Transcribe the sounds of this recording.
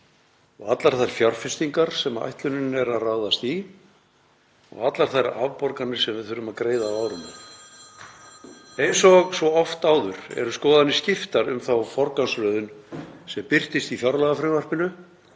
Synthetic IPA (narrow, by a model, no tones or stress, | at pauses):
ɔɣat̪laɾ̥θajɾ̥fjar̥fɪst̪iŋkaɾ̥sɛmaa̰jht̪lʏnɪnnɛɾaðraːwðast̪i | ɔ̰ɣat̪laɾ̥θajɾa̰ːvpɔɾkanɪ̥sɛmvɪðθʏɾʏmaðkɾeːjðaaːwɾʏma | ejnsɔɣsvɔɔft̪aːwðʏɾɛ̰ɾʏskɔːðanːɪscɪft̪aɾʏ̰mθawfɔɾkanslœːðʏnsɛmpɪr̥t̪ɪst̪iθjaɾlaɣafɾɪːvar̥pɪnʏ